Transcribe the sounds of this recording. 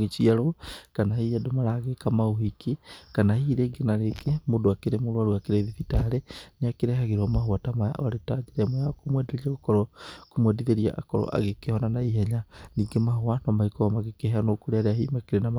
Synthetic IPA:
ɣet͡ʃiaɾokanahijadomaɾaɣekamaoɦikikanahiːɾeɡenaɾekemodoakeɾemoɾwaɾuakeɾeðifitaɾeneakeɾɛɦaɣeɾɔmaɦoatamaja̰ʔɔaɾetad͡ʒeɾɛmoakomwɛdeɾiaokɔɾɔkomwɛdiðeɾia̰ʔa̰kɔɾɔ̰ʔa̰ɣekehɔnanaiɦɛɲaniːɡemaɦoanɔmaikɔamaɣekeheanokoɾeaɾeahiːmakeɾenam

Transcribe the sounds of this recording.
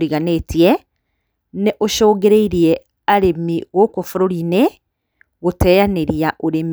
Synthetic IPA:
ɾiɣanetiɛ | neʔoʃɔːɡeɾeiɾiɛ | aɾemiɣokofuɾoɾine | ɣotɛjaneɾiaʔoɾem

